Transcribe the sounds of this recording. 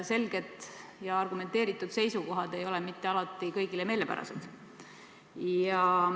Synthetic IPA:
se̞lɡ̥e̞t̪ˑjɑɑrɡ̥ume̞nt̪e̞ːɾit̪ːˑud̪̥se̞jsuko̞ɦɑd̪e̞jo̞lɛmit̪ːe̞ɑlɑt̪ːˑikɤjɡ̥ileme̞ːle̞pæ̰ɾɑ̰sḛd̪̥ | jɑ

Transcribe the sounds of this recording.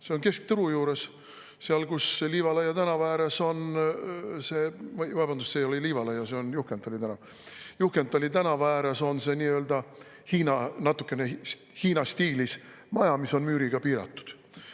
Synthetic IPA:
se̞onke̞sk̚t̪ɤɾujuːɾe̞s | seɑlkusliːvɑlɑjɑt̪ænɑvæːɾeso̞n | se̞ːmvɑb̥ɑnd̪ussejoliliːvɑlɑjɑse̞onjuhkent̪ːˑɑlit̪ænɑv | juhkent̪ːˑɑlʲit̪ænɑvɑæːɾeso̞nse̞niːøːld̪̥ɑ | hiːnɑnɑt̪ːˑukːˑe̞ne | hiːnɑst̪iːlis | mɑjɑmiso̞nmyːɾiɡ̥ɑpiːɾɑ̰t̪ːu̥d̪̥

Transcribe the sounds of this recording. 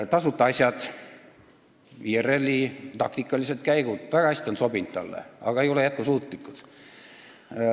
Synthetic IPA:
t̪ɑsut̪ːˑɑɑsʲjɑd̪̥ | iːere̞lʲːit̪ɑkt̪ikːˑɑliset̪̚kæjɡud̪̥væɡ̥ɑhæsʲt̪ʲionso̞bint̪t̪ːɑlːḛɑ̰ɡ̥ɑejolejæt̪̚kusuːt̪ˑlikːud̪̥

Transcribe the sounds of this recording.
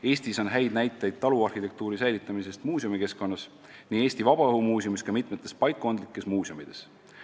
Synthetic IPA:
e̞ːsʲt̪iso̞nɦæjd̪̥næjt̪ːˑɑjd̪̥̚t̪ɑluɑrhit̪e̞k̚t̪uːɾisæjlit̪ːˑɑmise̞st̪muːsʲomike̞sko̞nːɑs | niːe̞ːsʲt̪ivɑb̥ɑɤɦumuːsjomiskɑmit̪ˑmet̪ˑːe̞spɑjkːo̞nd̪likːˑe̞smuːsjomid̪̥e̞s

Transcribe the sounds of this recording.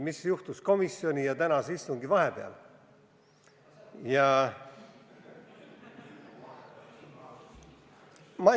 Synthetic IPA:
misjuht̪usko̞misːio̞nʲijɑt̪ænɑseist̪uŋɡivɑhebeɑ̰l | jɑ | mɑ

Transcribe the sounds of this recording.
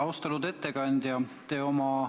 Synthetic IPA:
ɑwst̪ɑlud̪e̞t̪ːe̞kɑnʲd̪̥jɑt̪eːo̞mɑ

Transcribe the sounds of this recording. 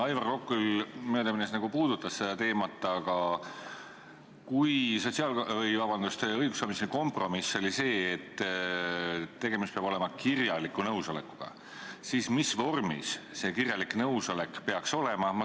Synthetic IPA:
ɑjvɑrkokːˑulmøːd̪ɑminesnɑɡ̥upuːd̪̥ut̪ˑːɑsse̞d̪ɑt̪e̞ːmɑt̪ːˑɑɡ̥ɑ | kujso̞t̪ʲsiɑlvjvɑb̥ɑnd̪ust̪eɤjɡ̥usoːmiseiko̞mpro̞misːo̞lise̞ːt̪ː | t̪ːe̞ɡ̥e̞mist̪pe̞ɑb̥o̞lemɑkirjɑlikːunɤwso̞le̞kːu̥ɡ̥ɑ̰ | sismisvo̞rmḭsːe̞kirjɑliknɤwso̞le̞kpe̞ɑkso̞le̞mɑmɑ

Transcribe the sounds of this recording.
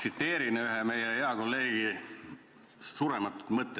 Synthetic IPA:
sit̪ːe̞ːɾineyɦeme̞jeeɑkolːe̞ːɡ̥i | suːɾemɑt̪ːˑu̥t̪mɤt̪ˑːe

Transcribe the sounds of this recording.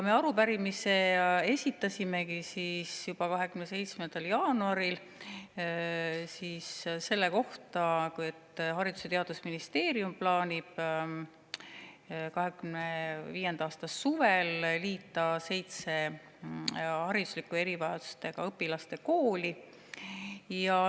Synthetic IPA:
kɑme̞ɑɾupæɾimise̞e̞sʲit̪ːˑɑsʲime̞kisisjub̥ɑkɑɦe̞kymnese̞jt̪smend̪̥ɑljɑːnuɑɾil | siːsse̞lːe̞ko̞ht̪ɑkujet̪ːɦɑɾid̪̥u̥se̞t̪e̞ɑd̪usminist̪e̞ːɾiumplɑːnʲib̥ | kɑɦe̞kymneviːje̞nd̪̥ɑɑːst̪ɑsuvelliːt̪ːˑɑse̞jt̪se̞ | hɑɾid̪̥uslikːue̞ɾivɑjɑd̪u̥st̪e̞ɡ̥ɑ̰ɤpːilɑst̪e̞koːli | jɑ

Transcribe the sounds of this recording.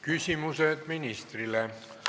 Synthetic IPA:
kysʲimused̪̥minist̪rile

